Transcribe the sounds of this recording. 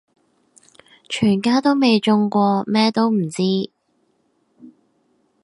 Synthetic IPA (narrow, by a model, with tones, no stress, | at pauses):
t͡ʃʰyː˨˩nkaː˥t̪o˥wme˨˧jt͡ʃʊ˧ŋkʷɔː˧mɛː˥t̪o˥wm̩˨˩t͡siː˥